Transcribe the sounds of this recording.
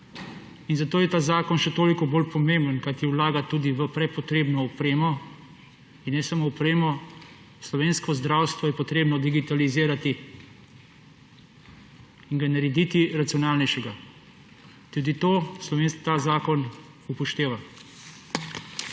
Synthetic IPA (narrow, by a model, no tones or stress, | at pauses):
inzat̪oːjɛt̪aːzaːkɔnʃɛt̪oːlikɔboːlpɔmembənkajt̪iɛwlaːɡat̪uːd̪iʋəpɾɛpɔt̪ɾeːbnɔɔpɾeːmɔ | inːɛsamoːpɾeːmɔ | slɔʋeːnskɔzd̪ɾaːwst̪ʋɔjɛpɔt̪ɾeːbnɔd̪iɡit̪aliziːɾat̪i | inɡanaɾɛd̪it̪iɾat̪sijɔnaːlnɛjʃɛɡa | t̪ud̪it̪oːslɔʋent̪azaːkɔn | upɔʃt̪eːʋa